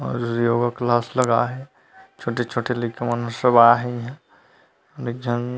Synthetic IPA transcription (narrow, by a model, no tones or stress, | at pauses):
ɔ̰ːɾjoːɡəklaːslɐɡaɦɛ | t͡ʃʰoːʈet͡ʃʰoːʈʰelikʰemɐnəsəbaɦɛɦã | ɐɾek̚d͡ʒʱɐn